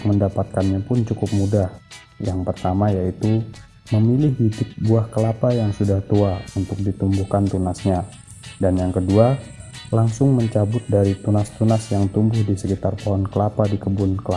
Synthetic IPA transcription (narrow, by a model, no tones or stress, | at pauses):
kməndapat̪̚kanɲapʊnt͡ʃukʊp̚mudah | jaŋpərt̪amajait̪u | məmilɪɦɡidʊp̚buahkəlapajaŋsudaht̪uaunt̪ʊk̚dit̪umbuhkant̪unasɲa | danjaŋkədualaŋsʊŋməɲt͡ʃabʊt̪̚daɾit̪unast̪unasjaŋt̪umbʊhdisəkit̪arpɔɦɔnkəlapadikəbʊnkəla